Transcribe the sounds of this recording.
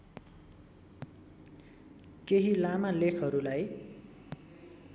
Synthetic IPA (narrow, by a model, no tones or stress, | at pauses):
keɦilamalekʰʌɾulaj